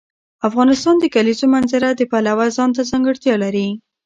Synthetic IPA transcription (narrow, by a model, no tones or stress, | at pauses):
afɣɑnɪst̪ɑnd̪əkalizomanzɪɾad̪əpalawazɑnt̪̬azɑŋɡəɽt̪jɑlaɾi